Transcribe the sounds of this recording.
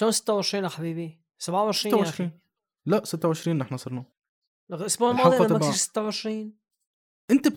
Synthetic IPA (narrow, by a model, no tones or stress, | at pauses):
oːnsɪt̪ːawʕeʃɾiːnʔaħabiːbi | sabʕawʕeʃɾiːanjaʃɾiːn | laʔsɪt̪ːawʕɪʃɾiːnʔɪħnæsˤɑɾˤnɑ | ʔʊsbuːʕlmɑːdˤiʔaækiʃsɪ̥t̪ːawʕeʃɾiːn | ʔɪnt̪ab